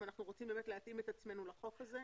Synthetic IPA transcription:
anaχnuʁo̞t͡simbemetleat̪ʔimet̪at͡sme̞nulaχo̞kaze

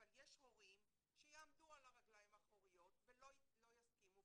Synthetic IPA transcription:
avaljeʃʁoʁim | ʃejaːmd̪ualaʁaɡlajimaχoʁijo̞t̪velolo̞jaskimu

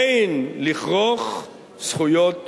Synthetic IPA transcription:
jnliχʁoχ | sχujot

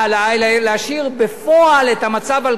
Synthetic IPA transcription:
alajlleaʃiʁbefoaletamat͡saval

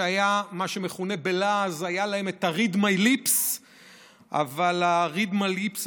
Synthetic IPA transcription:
ajamaʃe̞me̞χune̞be̞lazajalae̞me̞t̪aʁid̪majlips | ʔa̰valaʁid̪malips

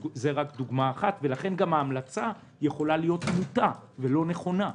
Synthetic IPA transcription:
zeʁakd̪uɡmaːχat̪ve̞laχe̞nɡamhaːmlat͡sa | jeχo̞lalijo̞t̪mut̪avelo̞ne̞χo̞na

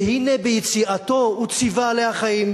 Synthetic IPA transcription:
hinebejet͡siat̪o̞ut͡sivalehaχajim

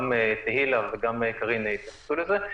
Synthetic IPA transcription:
met̪ehilaveɡamjkaʁinit̪jaχsuleze

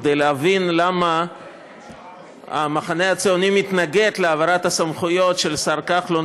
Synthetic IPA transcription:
d̪ejleavinlama | a̰maχane̞at͡seo̞nimit̪naɡe̞t̪leavaɾat̪asamχujo̞tʃe̞lsaɾkaχlo

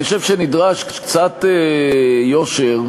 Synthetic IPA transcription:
xoʃevʃenid̪ʁaʃkkt͡satejoʃeʁ

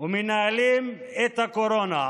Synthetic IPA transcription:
ʊminaɐlim | et̪ɐkoɾoːna

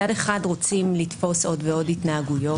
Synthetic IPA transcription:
ade̞χadʁo̞t͡simlitfo̞so̞dveo̞dhitnaaɡujo

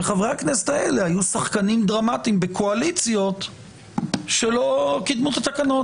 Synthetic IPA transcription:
eχavʁeaknese̥t̪aele̞hajusaχkanimd̪ʁamat̪imbe̞kʰoalit͡sjo̞t̪ | ʃe̞lo̞kid̪mut̪at̪akano̞

